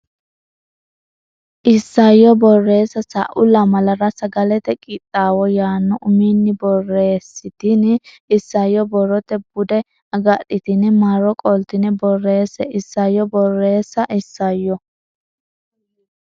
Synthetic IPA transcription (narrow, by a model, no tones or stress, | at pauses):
ʔɪsːɐjɔbɔrːe̞ːsːɐsɐ̰ʔʊlɐmɐlɐɾɐsɐɡɐlɛt̪ɛkʼɪt̪ʼːaːwɔjaːnːɔʔʊminːɪbɔrːeːsːɪt̪ɪn | ɪsːɐjːɔbɔɾɔt̪ɛbʊd̪ɛ | ɐɡɐɗɪt̪ɪnɛmaɾɔkʼɔlt̪ɪnɛbɔrːe̞ːsɛʔɪsːɐjːɔbɔrːe̞ːsːɐʔɪsːɐjːɔ